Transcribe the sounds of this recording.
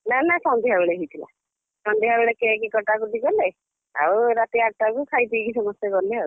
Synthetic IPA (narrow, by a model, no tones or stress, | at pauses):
nanasɔnd̪iɦabeɭeɦijt̪ʰila̰ | sɔnd̪iɦabeɭekekekɔʈakud̪ikɔle | a̰uɾat̪iaʈakukʰajt̪ikisɔmɔstjaɡɔleau